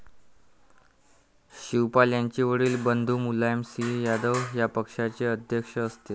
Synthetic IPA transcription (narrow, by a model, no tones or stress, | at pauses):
ɕiwpaljaɲt͡ɕiʋəɽiːlbənd̪ʱuːmulajmsijad̪əʋjapəkʂat͡seəd̪ʱjəkʂəːst̪e